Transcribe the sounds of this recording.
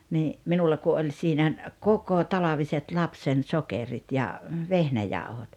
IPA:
niː minulːɑ ku ʔolʲ siːnæ kokotɑlɑʋiset lɑpsen sokerit jɑ ʋehnæjɑˑuhot

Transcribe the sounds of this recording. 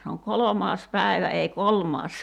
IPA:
se oŋ kolomɑːs pæˑi̞ʋæ ei kolmɑːs

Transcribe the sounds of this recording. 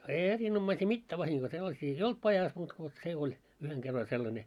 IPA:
ei erinomːɑisiː mitːæː ʋɑhiŋɡ̊oi selːɑsiː ei olt pɑjɑs muːt ko se olʲ yheŋ ɡ̊erː olʲ sellɑnʲe

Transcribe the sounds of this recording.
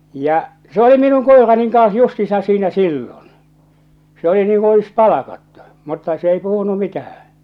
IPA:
jɑ se oli minun koˑerɑniŋ kɑns justiːsɑ̃ː siːnæ silːon se oli niːŋ kun̞ olis pɑlɑkɑtːu mutːɑ s ei puhunu mitæhæ̃ː

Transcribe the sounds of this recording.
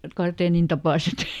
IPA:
kɑrteːnin tɑpɑˑset

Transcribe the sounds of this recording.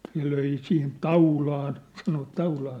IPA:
ne løi sihin tɑulɑːn sɑnoʋɑt tɑulɑːn

